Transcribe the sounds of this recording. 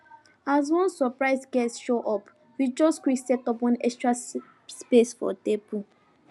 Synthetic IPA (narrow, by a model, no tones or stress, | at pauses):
az̬wɔ̃nsɔpɹaɪsɡɛtsʃoʔɔp | wid͡ʒɔskwiksɛtɔpɔ̃nɛ̰kstɹa | spesfɔ̰tebu